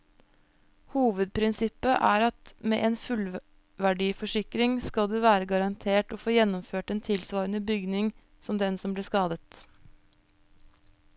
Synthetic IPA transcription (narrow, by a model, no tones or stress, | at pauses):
huːʋəd̪̚pʰɾɪnsɪpːəʔæːɾɑt̪mḛːʔeːnfʉl | ʋæɖiːfɔʂɪkɾɪŋskɑld̪eːʋæːɾəɡɑɾɑnt̪ʰeːʈoːfoːjɛnːɔmføːʈeːnt̪ʰɪlsʋɑːɾənəbʏɡnɪŋ | sɔmd̪ɛnsɔmbliːskɑːd̪ət̪